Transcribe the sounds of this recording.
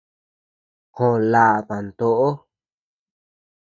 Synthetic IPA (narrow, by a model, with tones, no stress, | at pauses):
kõ˨la˨ʔkã˨nt̪o˧ʔo˦